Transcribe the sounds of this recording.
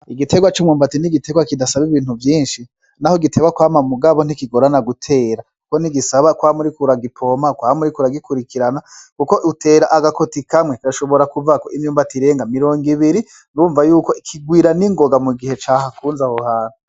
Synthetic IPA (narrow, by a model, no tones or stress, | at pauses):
iɡite̞ɡwat͡ʃumŋuːmbatiniɡitʰe̞ɡwakidasaβiβiːnuvjiːnʃi | nahoɡitʰe̞ɡwakwaːmamuɡaβon̥ikiɡoɾanaɡutʰe̞ːɾakukoniɡisaβakwaːmuɾikuɾaɡipʰo̞makwaːmuɾikuɾaɡikuɾikʰiɾanakukoʔutʰe̞ːɾaʔaɡakotikamŋekiɾaʃo̞βo̞ɾakuvakoʔimɲuːmbatiɾe̞ːŋɡamiɾo̞ːŋɡiβiɾi | nuːɱvajuːko̞ikʰiɡwiːɾaniŋɡo̞ɡamuɡihe̞t͡ʃaːhakʰuːnzahohaːn̥u